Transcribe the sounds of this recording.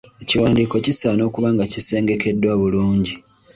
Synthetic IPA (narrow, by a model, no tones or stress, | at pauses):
eciwaːndiːko̞cisano̞ːkuβaːŋɡacise̞ːŋɡe̞ke̞dːwaːβuluːɲɟi